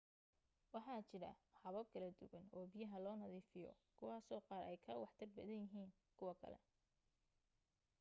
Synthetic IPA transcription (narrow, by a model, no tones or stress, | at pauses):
wɑħɑːt͡ʃɪɾɐ̰hɑβɐb̚kʰɐlɐd̪ʊwɐnɔːbijɐɦɐlɔːnɐðiːfɪjɔ̰kʰʊwɑːsɔːqɑːɾɛjkʰɐwɑħt̪ʰɐrbɐðɐnjɪɦiːn | kʰʊwɐkʰɐ̰lɛ̰